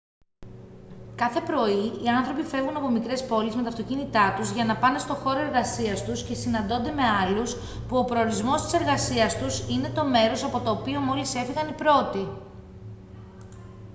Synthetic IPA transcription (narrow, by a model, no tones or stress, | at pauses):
kɐθe̞pɾo̞iiɐnθɾo̞pife̞vɣunɐpo̞mikɾe̞spo̞lizme̞t̪ɐft̪o̞cinit̪ɐt̪uzʝɐnɐpɐne̞st̪o̞xo̞ɾoe̞ɾɣɐsiɐst̪usce̞sinɐnd̪o̞nd̪e̞me̞ɐlus | puo̞pɾo̞ːɾizmo̞st̪i̥se̞ɾɣɐsiɐst̪usine̞t̪o̞me̞ɾo̞sɐpo̞t̪o̞ːpio̞mo̞lise̞fiɣɐnipɾo̞t̪i